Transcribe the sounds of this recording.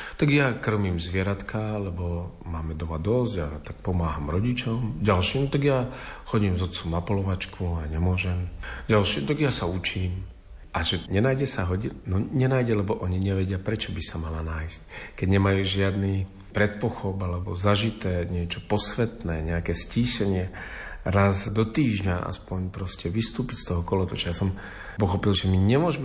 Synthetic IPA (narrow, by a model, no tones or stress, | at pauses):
t̪aɡjakr̩miːmzʋɪɛɾat̪kʰalɛbɔmaːmɛd̪ɔmad̪ɔzɟa̰t̪ak̚pɔmaːɦamɾɔɟit͡ʃɔmɟalʃiːnɔt̪aɡjaxɔɟiːmzɔt͡sɔʊnapɔlɔʋat͡ʃkʰuaɲɛmʊɔʒɛmɟalʃit̪aɡjasaut͡ʃiːm | ʔaʒɛɲɛnajɟɛsaɦɔɟinɔɲɛnajɟɛlɛbɔʔɔɲiɲɛʋɛɟɪapɾɛt͡ʃɔbisamalanaːjsckɛɟɲɛmajuːʒɪad̪ni | pɾɛt̪̚pɔxɔbalɛbɔzaʒit̪ɛːɲɪɛt͡ʃɔpɔsʋɛt̪nɛːɲɛakɛːsciːʃɛɲɪɛɾazd̪ɔt̪iːʒɲaa̰spɔɲpɾɔscɛʋist̪uːpicst̪ɔɦɔkɔlɔt̪ɔt͡ʃajasɔm | pɔxɔpilʒɛmiɲɛmʊɔʒɛm